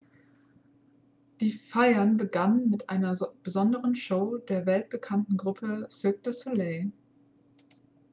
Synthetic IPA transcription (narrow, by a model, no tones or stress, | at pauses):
d̥iːfaɪɐnbəɡanənmɪtʔa̰ɪnɐb̥əzɔndəʁənʃoʊd̥eːɐvɛlt̚b̥əkʰantn̩ɡʁʊpʰəsɪk̚d̥əsoleɪ